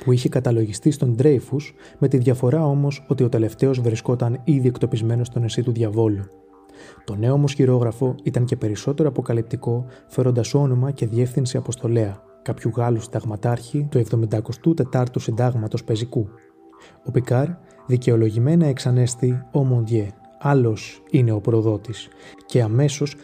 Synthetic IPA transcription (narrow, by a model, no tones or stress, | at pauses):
puiçekɐt̪ɐlo̞ʝist̪ist̪o̞nd̪ɾe̞jfusme̞t̪iðʝɐfo̞ɾɐo̞mo̞so̞t̪io̞t̪e̞le̞ft̪e̞o̞zvɾisko̞t̪ɐniðie̞kt̪o̞pizme̞no̞st̪o̞nesit̪uðʝɐvo̞lu | t̪o̞ne̞omo̞sçiɾo̞ɣɾɐfo̞it̪ɐɲce̞pe̞ɾiso̞t̪e̞ɾo̞ɐpo̞kɐlip̚t̪iko̞fe̞ɾo̞nd̪ɐso̞no̞mɐce̞ðie̞fθinsiɐpo̞st̪o̞le̞ɐ | kɐpçuɣɐlusind̪ɐɣmɐt̪ɐɾçit̪ue̞vðo̞mind̪ɐko̞st̪ut̪e̞t̪ɐɾt̪usind̪ɐɣmɐt̪o̞spe̞ziku | o̞pikɐɾ | ðice̞o̞lo̞ʝime̞nɐeksɐne̞st̪io̞mond̪ʝe | ɐlo̞sine̞o̞pɾo̞ðo̞t̪is | ce̞ɐme̞so̞s